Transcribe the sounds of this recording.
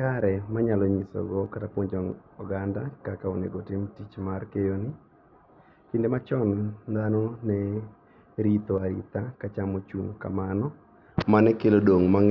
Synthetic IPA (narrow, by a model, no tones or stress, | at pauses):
aɾɛmaɲalɔɲisɔ̰ɡɔkatapwoɲd͡ʒɔŋɔɡandakakaonḛɡotɪmtit͡ʃmarkejonɪ | kindemat͡ʃɔnd̪anɔnɛ | ɾit̪ɔaɾḭt̪akat͡ʃamot͡ʃuŋka̰manɔ | manɛkelodoŋmaŋ